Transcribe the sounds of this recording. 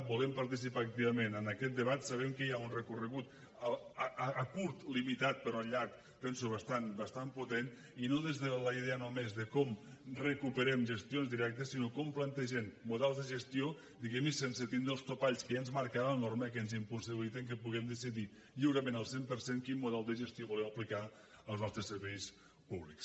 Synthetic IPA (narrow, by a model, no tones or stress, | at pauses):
bulɛmpaɾt̪is̬ipaːk̚t̪iβəmenənəkɛt̪̚d̪əβat̪saβ̞ɛmkəiaunrəkurəɣut̪ | kuɾt̪limit̪at̪̚pəɾɔəʎaɾk | pɛnsuβəst̪anbəst̪amput̪en | inoðezðələiðeənomezðəkɔmrəkupəɾɛmʒəst̪ionzðiɾɛk̚t̪əsinokɔmplant̪eʒɛmːuðɛlˠzðəʒəst̪io | d̪iɣɛmisensət̪ind̪ɾəlˠst̪opaʎskəənzmaɾkaɾalənormək̬ɛnzimpusiβilit̪əŋk̬əpuɣɛmd̪əs̬iði | ʎiwɾəmẽnəlˠsempəɾseŋkinmuðɛlˠd̪əʒəst̪ioβulɛwɐplika | əlˠznɔst̪ɾəsəɾβɛjs | puβliks